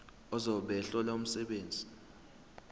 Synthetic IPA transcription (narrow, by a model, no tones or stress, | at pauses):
ɔzɔɓɛɬɔlaum̩sɛɓeːnd͡zʱi̥